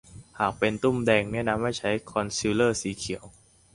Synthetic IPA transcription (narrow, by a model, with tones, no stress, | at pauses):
haː˨˩k̚pe˧nt̪u˥˩mdɛː˧ŋnɛ˦˥˨na˧mːa˥˩jt͡ɕʰa˦˥jkʰɔ˧nsiː˧lɤː˥˩siː˩˦kʰi˨˩˦əw